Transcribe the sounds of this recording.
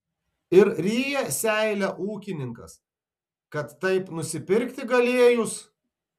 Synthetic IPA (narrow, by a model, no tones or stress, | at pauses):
ɪɾɾʲiːjɛsʲæˑɪlʲɛʔuːkʲɪnʲɪŋkɐ̰s | kɐt̪ːɐɪpnʊsʲɪpʲɪɾʲkʲt̪ʲɪɡɐlʲeɛjʊs